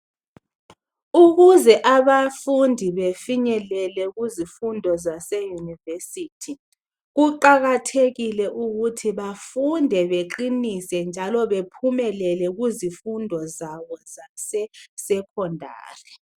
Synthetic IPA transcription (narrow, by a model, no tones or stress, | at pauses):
uɣuzɛʔaβafundʱiβefiɲɛlɛlɛɣuzifundʱɔzasɛjunivesiːtʰi | ɣuǃaɣatʰeɣilɛʔuɣutʰiβafundʱɛβeǃinisɛnd͡ʒʱalɔβepʰumɛlɛlɛɣuzifundʱɔzaβɔzasɛsɛkʰɔndʱa̰ːri